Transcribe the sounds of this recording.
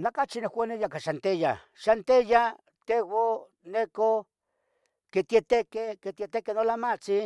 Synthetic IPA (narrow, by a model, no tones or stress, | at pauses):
nakat͡ʃinewanejakaʃant̪eja̰ | ʃant̪eja | t̪ewo | neko | ket̪jet̪ekeket̪et̪ekenolamat͡si